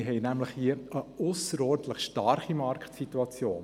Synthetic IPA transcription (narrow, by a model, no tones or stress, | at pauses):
ɦɛɪnæmləχhiəʔəʔʊsəɾɔːɾdləχʃtɑrχimɑrktsit̪uɑt͡sjoːn